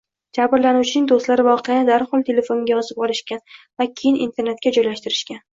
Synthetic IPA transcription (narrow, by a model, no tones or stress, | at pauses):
d͡ʒabɪɾlanuwt͡ʃʰɪnɪŋd̪ost̪laɾɪvɒqʰɨjanɪd̪aɾhɒlˠt̪ʰe̞le̞fonɡʲaɒzɪp̚ɒlˠɪʃkʲanvakʲʰe̞jɪnʔḭnt̪ʰe̞ɾne̞t̪̚kʲad͡ʒɒjlaʃt̪ɪɾɪʃkʲan